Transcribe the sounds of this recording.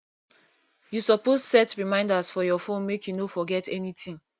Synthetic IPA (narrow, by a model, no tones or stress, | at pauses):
jusɔpostsɛtɹimãɪ̃ndasfɔjɔfõnmekʰjunofɔɡɛtɛnitĩŋ